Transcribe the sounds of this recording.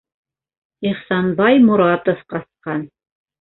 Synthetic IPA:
iχsɑnbɑjmʊɾɑt̪ŏfqɑsqɑn

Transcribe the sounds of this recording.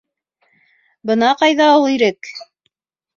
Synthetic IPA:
bɤnɑqɑjðɑulˠiɾɘk

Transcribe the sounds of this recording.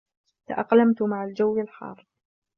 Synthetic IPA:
t̪a̰ʔɑqlamt̪ʊmaʕald͡ʒawːɪlħɑ̰ːrˤ

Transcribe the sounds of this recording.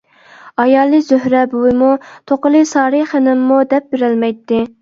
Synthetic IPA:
ɑjɑːlˠɨzøɦɾɛbuwɨmut̪ʰoqəlˠɨsɑːɾɨχɪnɪmːud̪ɛp̚beɾɪlmɛjt̪ːɪ

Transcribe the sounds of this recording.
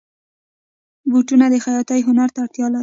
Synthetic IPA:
buʈunad̪əxajɑt̪ajɦʊnaɾt̪aɽt̪jɑlaɾi

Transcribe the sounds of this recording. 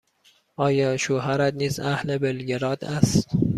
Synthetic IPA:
ɒːjɒːʃoɦæɾæd̪niːzæhlebelɡeɾɒːd̪æst̪

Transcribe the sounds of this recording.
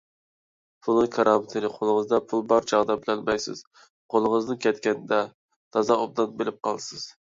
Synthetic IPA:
pʰulˠnɨŋkʰɑɾʔɑmɨt̪ʰɨnɪqʰolˠɨʁəzd̪ɑpʰulˠbɑɾt͡ʃʰɑʁd̪ɑbɪlɛlmɛjsɪ̰z̥ | qʰolˠɨʁəznɨŋkʲʰɛt̪̚kʲɛnɪd̪ɛ | t̪ʰɑzɑob̚d̪ɑnbelɪp̚qʰɑlˠsɨz̥

